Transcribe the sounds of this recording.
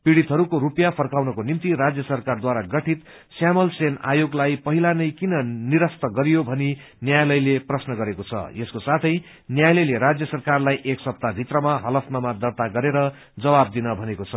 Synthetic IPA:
piɽit̪ɦʌɾukoɾupjapʰʌrkawnʌkonimt̪iɾad͡zjʌsʌrkard̪waɾaɡʌʈʰit̪ | sjamʌlsena̰joɡlajpʌɦilanʌjkinʌniɾʌst̪ʌɡʌɾijobʱʌni | njajlʌjleprʌsnʌɡʌɾekot͡sʰʌ̰jeskosat̪ʰʌj | njajlʌjleɾad͡zjʌsʌrkarlajʔeksʌp̚t̪abʱit̪rʌmaɦʌlʌpʰnʌmad̪ʌrt̪aɡʌɾeɾʌ | d͡zʌwab̚d̪inʌbʱʌnekot͡sʰʌ

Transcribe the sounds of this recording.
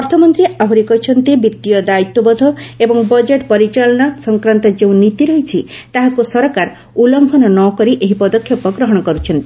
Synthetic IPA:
ɔɾt̪ʰɔmɔnt̪ɾiaɦuɾikɔɦit͡ʃʰɔnt̪ibit̪ːijɔd̪ait̪ːɔbɔd̪ʱɔebɔŋbɔd͡ʒeʈpɔɾit͡ʃalɔɽ̃ɔsɔŋkɾant̪ɔd͡ʒeũnit̪iɾɔɦit͡ʃʰit̪aɦakusɔɾɔkaɾ | ulɔŋɡʱɔnɔnɔkɔɾiʔeɦipɔd̪ɔkʰːjɔpɔɡɾɔɦɔɽ̃ɔkɔɾut͡ʃʰɔnt̪i

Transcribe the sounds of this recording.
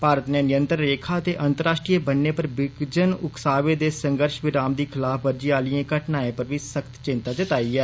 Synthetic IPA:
paːɾət̪neːnɪjə̃nt̪ɾəːeːkʰaːət̪eːʔənt̪əɾaːʃʈɾiːəbənːeːpəɾbɪɡd͡ʒənʊksaːʋeːd̪eːsə̃ŋɡəɾʃʋɪɾaːmd̪iːkʰɪlaːfʰbəɾd͡ʒiaːliẽːkəʈnaːẽːpəɾʋiːsəkt̪t͡ʃɪ̃nt̪aːt͡ʃət̪aːiːɛː

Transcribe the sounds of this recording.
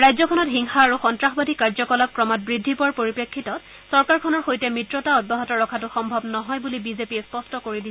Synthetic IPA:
ɹajzɔkʰɔnɔtɦiŋxaːɹuxɔntɹaxɔbadʱikaɹzɔkɔlak̚kɹɔmat̚bɹidʱːipɔɹpoɹipɹekʰːitɔt | sɔɹkaɹkʰɔnɔɹxojtɛmɹitɹɔtaɔd̚bɔɦɔtɔɹɔkʰatʊxɔmbʱɔbnɔɦɔjbulibizepiɛspɔstɔkoɹidi

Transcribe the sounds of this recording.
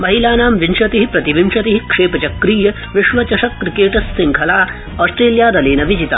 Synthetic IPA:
mɐɦilaːnaːmʋimʂɐt̪iɦipɾɐt̪iʋimʂɐt̪iɦikʂeːpɐt͡ʃɐkɾiːjɐ | ʋiʃʋɐt͡ʃɐʂɐkːɾikeːʈɐsːiŋkʰɐlaː | ɔːsʈɾeːljaːɾɐleːnɐʋid͡ʒit̪a̰

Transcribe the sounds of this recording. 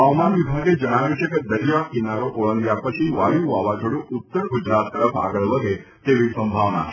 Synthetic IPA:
ɦəʋmanʋibʱaɡed͡ʒəɽ̃aʋeʃəkd̪əɾijakinaɾoʔoɭə̃nɡ̪japət͡ʃʰiʋajũʋaʋad͡ʒʱoɽũʊt̪ːəɾɡud͡ʒɾat̪ːəɾəpʰa̰ɡəɭʋəɡʱe | t̪eʋisə̃mbʱaʋna̰

